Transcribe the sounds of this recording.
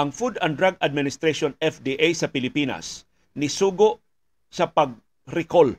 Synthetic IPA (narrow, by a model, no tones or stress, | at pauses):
ɐŋfud̪ɐnd̪ɾaɡad̪̚mɪnɪst̪ɾeʃonɛfd̪iʔajsɐpɪlɪpiːna̰s | nɪsuːɡoʔ | sɐpɐɡ̚ | ɾɪkol